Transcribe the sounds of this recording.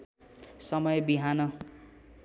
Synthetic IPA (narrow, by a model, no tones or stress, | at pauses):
sʌmʌjbiɦanʌ